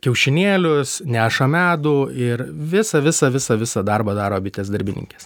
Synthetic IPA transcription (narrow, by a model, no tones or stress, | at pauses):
kʲɛʊʃʲɪnʲeːlʲʊsnʲæːʃɐmʲæːd̪uːɪrʋʲɪsɐʋʲɪsɐʋʲɪsɐʋʲɪsɐd̪ɐrbɐd̪ɑːɾoːbʲɪt̪ʲeːsd̪ɐɾʲbʲɪnʲɪ̰ŋʲkʲɛs